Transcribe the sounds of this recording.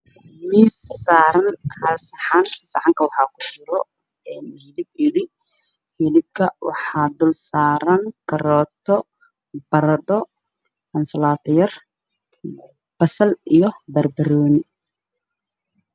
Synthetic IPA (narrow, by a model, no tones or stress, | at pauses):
miːsːaːɾɐnhɐsħɑnɐsɐħɑŋkʰɐwɑħɑːkʰʊ̥t͡ʃɪɾɔ | ɛːnhɪlɪb̚ɪɽɪ | hɪlɪb̚kʰɐwɑ̰ħɑːd̪ʊlsaːɾɐŋkʰɐɾɔːt̪ʰɔ | b̥ɐɾɐɖɔ | hɐnsɐlaːt̪ʰɐjɐr | b̥ɐsɐlijɔbɐrbɐɾɔːnɪ